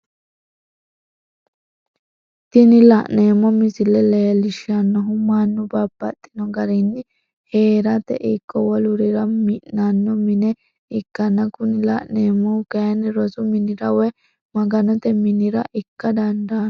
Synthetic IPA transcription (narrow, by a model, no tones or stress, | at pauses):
t̪ɪnɪlɐʔneːmːɔmɪsɪlɛlɐjɐlɪʃɪɐnːɔɦʊmanːʊbabːɐ̰t̪ʼːɪ̥nɔɡɐɾɪnːɪ | heːɾɐt̪ɛ̰ʔikːɔwɔlʊɾɪɾɐmɪʔnanːɔmɪnɛ | ɪkːɐnːɐkʊnɪlɐ̰ʔneːmːɔkɐjɐnɪɾɔzʊmɪnɪɾɐwɛ | mɐɡɐnɔt̪ɛmɪnɪɾɐ̰ʔɪkːɐd̪ɐnd̪aːn